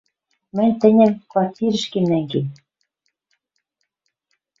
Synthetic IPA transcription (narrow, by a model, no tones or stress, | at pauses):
mɘ̆nʲt̪ɘ̆nʲɘ̆mkvɑrt̪ʲiɾɘ̆ʃkemnæŋɡen